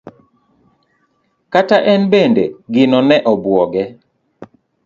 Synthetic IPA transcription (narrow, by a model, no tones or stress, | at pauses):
kataʔɛnbendḛɡɪnɔnɛʔɔbwɔɡɛ